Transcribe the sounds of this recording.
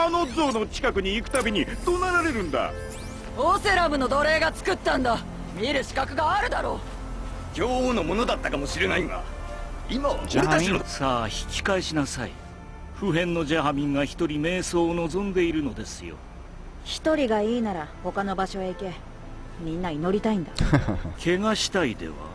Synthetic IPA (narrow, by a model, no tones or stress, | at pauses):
ano̞zoːno̞t͡ɕi̥kakɯ̟ɲ̟iːkɯ̟̥t̪abʲiɲ̟it̪onaɾaɾe̞ɾɯ̟̃nd̪a̰ | oːseɾamɯ̟no̞d̪o̞ɾe̞ːɡat͡sɨ̥kɯ̟t̪ːãnd̪a | mʲiɾɯ̟ɕi̥kakɯ̟ɡaːɾɯ̟d̪aɾo̞ː | ɡʲoːono̞mo̞nod̪at̪ːakamo̞ɕiɾenaima̰ | imaoɾet̪anosaːçi̥kʲi̥kaeɕinasai | ɸɯ̟ɦẽ̞nːo̞ʑaɦamʲĩŋɡaçi̥t̪o̞ɾʲime̞ːso̞ːno̞zõ̞nd̪e̞iɾɯ̟no̞d̪e̞sɨjo̞̰ | çi̥t̪o̞ɾʲiɡaiːnaɾaho̞kano̞baɕo̞eike̞ | mʲĩnːaino̞ɾʲit̪aĩnd̪akʰe̞ŋaɕi̥t̪aid̪e̞̰βa̰